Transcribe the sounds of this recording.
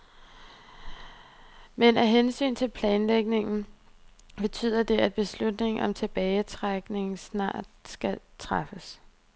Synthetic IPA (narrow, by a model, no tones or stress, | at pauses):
menæɦensy̰ːnt͡sʰe̝lpʰlɛːnleɡ̥ne̝ŋn̩ | b̥e̝t͡sʰy̰ːðˠɐd̥e̝æd̥̚b̥e̝slud̥ne̝ŋ̩ʔɒ̽mt͡sʰe̝b̥ɛːɪt͡sʰʁaɡ̥ne̝ŋn̩snɑ̰̈ːd̥sɡ̥æt͡sʰʁafəs